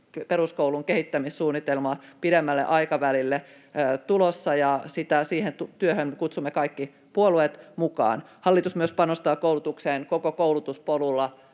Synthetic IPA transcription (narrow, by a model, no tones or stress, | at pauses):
peɾuskouluŋkehit̪ːæmissuːnːit̪elmɑpiɾemːælːḛʔɑikɑʋælilːe | t̪ulosːɑjɑsit̪æsiːhent̪ut̪yøhømmekut̪sumːekɑikːi | puoluet̪mukɑ̰ːnhɑlːit̪usmyøspɑnost̪ɑːkoulut̪ukseːnkokokoulut̪uspolulːɑ